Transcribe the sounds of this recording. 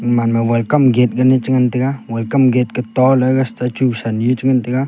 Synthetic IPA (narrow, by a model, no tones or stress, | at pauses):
manmawelkɐmɡet̪̚kənit͡ʃiŋɐnt̪iɡawelkɐmɡet̪̚kət̪ɔləɡɐst̪at͡ʃuksanjut͡ʃiŋɐnt̪iɡa